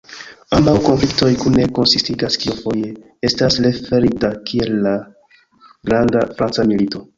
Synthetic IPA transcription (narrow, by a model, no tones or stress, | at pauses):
ambawko̞nflikto̞jkune̞ko̞nsistiɡaskiofo̞je̞ | e̞stasle̞fe̞ɾidakʰie̞lːa | ɡɾandafɾant͡samilito̞